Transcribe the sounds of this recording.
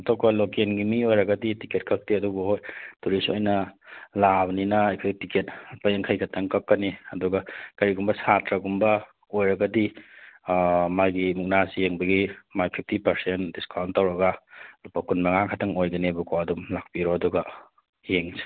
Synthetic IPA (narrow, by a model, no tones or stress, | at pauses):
ɐtʰok̚bɐlokenɡimiojɾɐɡɐditiket̚kʰɐk̚tiɐduɡuhojtuɾiso̰jnɐlabninɐːjkʰajɡtikʰet̚pɐjeŋkʰɐjkʰɐtʰɐŋkɐkːɐniɐduɡɐkɐɾiɡumbɐsatɾɐɡumbɐ | ojɾɐɡɐdi | majɡimuk̚nasijeŋbɐɡimajpʰip̚ʰtʰipɐɾsendiskawntːɐwɾɐɡɐlupɐkunmɐŋaŋkʰɐtʰɐŋojɡɐnibukʰoɐdumlak̚piɾoɐduɡɐ | jeŋsi̥